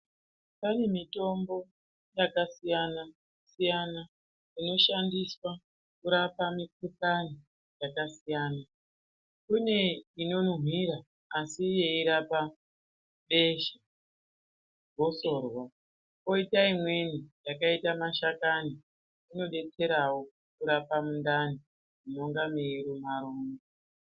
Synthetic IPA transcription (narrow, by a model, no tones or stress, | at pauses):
pane̞mito̞mbo̞ | jakasijana | sijana | ino̞ʃandiswa | kuɾapamikupani | jakasijaːna | kune̞ino̞nɦiɾaː | sije̞iɾapa | ɓe̞ʃa | ɡʱo̞so̞ːrwa | ko̞itaimwe̞nijakaitamaʃakani | ino̞ɗe̞t͡se̞ɾawo̞ | kuɾapamundani | uno̞ŋɡameiɾumaɾoːŋe